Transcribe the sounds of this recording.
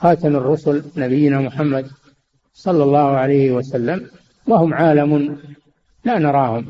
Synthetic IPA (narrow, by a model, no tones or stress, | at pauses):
xɑːt̪amɪrːʊsʊlnabɪjːɪnamʊħamːad̪ | sˤɑlːɑlˤːɑːhʊʕalajhɪwasalːam | wahʊmʕaːlamʊn | laːnɑɾˤɑːhʊm